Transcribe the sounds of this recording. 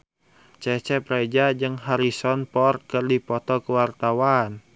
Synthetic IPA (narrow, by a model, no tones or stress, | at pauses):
t͡ʃɛt͡ʃɛpɾɛd͡ʒad͡ʒəŋɦaɾisɔnpɔr̚kɨrdipɔt̪ɔkəwart̪awan